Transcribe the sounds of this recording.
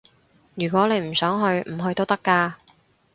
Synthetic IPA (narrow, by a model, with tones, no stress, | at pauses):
jyː˨˩kwɔː˨˥ne˨˧jm̩˨˩sœː˨˥ŋɦɵ˧ɥm̩˨˩ɦɵ˧ɥt̪o˥wt̪ɐ˥kːaː˧